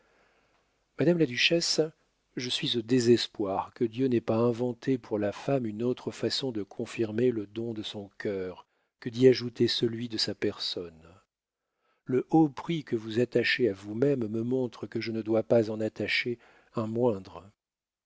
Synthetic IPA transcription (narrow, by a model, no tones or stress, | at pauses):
mad̪amlad̪yʃɛs | ʒəsɥizod̪ezɛspwaʁkəd̪jønɛpaɛ̃vɑ̃t̪ʰepʰuʁlafamynot̪χəfasɔ̃d̪əkʰɔ̃fiʁmeləd̪ɔ̃d̪əsɔ̃kʲʰœʁ | kəd̪iaʒut̪esəlɥid̪əsapɛʁsɔn | ləʔopχikəvuzat̪aʃeavumɛmːəmɔ̃t̪χəkəʒənəd̪wapazɑ̃nat̪aʃe | ɛ̃mwɛ̃d̪ʁə